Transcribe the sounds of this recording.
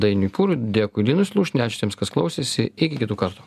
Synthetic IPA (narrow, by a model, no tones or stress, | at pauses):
d̪ɐɪnʲʊpuːɾʊd̪ʲeːkʊɪlʲiːnʊsʲlˠuːʃʲnʲæːt͡ʃʲʊ̥t̪ʲɛːmskɐsklˠɐʊsʲeːsʲɪɪkʲɪkʲɪt̪uːkɐɾt̪u̥